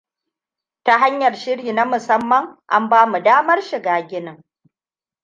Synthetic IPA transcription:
ta˦ɦa˦ɲjɐ˨rʃɪ˦ɽiː˨na˦mʊ˨sɐ˦mːɐ˨ŋʔa̰˦mbaː˦mu˨daː˦mɐ˦rʃɪ˨ɡaː˨ɡʲɪ˦nɪ˨ŋ

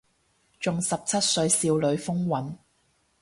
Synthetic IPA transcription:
t͡ʃʊ˨ŋsɐ˨p̚t͡sʰɐ˥t̚sɵ˧ɥsiː˧wlɵ˨˧ɥfʊ˥ŋwɐ˨˥n

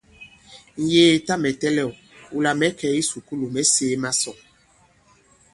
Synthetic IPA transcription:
ŋ̩˨jeː˦˨ta˦mɛ˨tɛ˦lɛ˦˨wu˦la˨mɛ˨˦kɛ˨˦i˦su˨ku˦lu˨mɛ˦seː˨˦ma˦sɔ˨

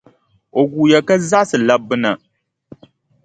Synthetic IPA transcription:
o˨ɡuː˨ja˨ka˦za˦ʔsɨ˨la˦bɨ˦na˨

